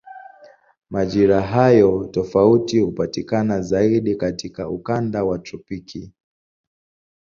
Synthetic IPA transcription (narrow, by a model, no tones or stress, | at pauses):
maʄiɾaɦajɔtɔfautihupatikanazaiɗikatikaukandawatɔpikʰi